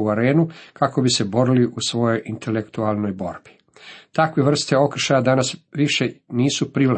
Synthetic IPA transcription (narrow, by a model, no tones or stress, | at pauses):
uaɾeːnukako̞bise̞bo̞ɾiliʔusʋo̞jo̞jʔint̪elekt̪ualˠno̞jbo̞̰ɾbi̥ | t̪akʋeʋr̩st̪eo̞kr̩ʃajad̪anasʋiʃeniːsupɾiʋla